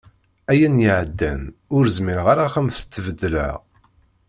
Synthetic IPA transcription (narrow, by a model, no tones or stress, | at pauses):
æjænjiʕəd̪ːænʊɾzmiɾʁaɾaχəmθə̥t͡s̪ːvəd̪ːlæ̰ʁ